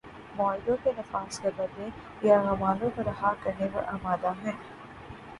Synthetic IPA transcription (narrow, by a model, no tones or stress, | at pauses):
mɔːɪɖ̪õkenɐfaːskɐb̪ɐɾne | jaɣɐmaːnõkɐɾɐɦakɐɾnepɐ̰ɾʔamaːd̪aɦɛ̃ː